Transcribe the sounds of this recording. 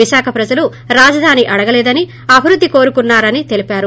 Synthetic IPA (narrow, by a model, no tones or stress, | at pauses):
iʃaːkʰɐpɾɐd͡ʒɐlu | ɾaːd͡ʒɐd̪ʱaːniʔɐɽɐɡɐlɛːd̪ɐni | ɐbʱiɾud̪ʱːiko̞ːɾukunːaːɾɐnit̪e̞lipaːɾu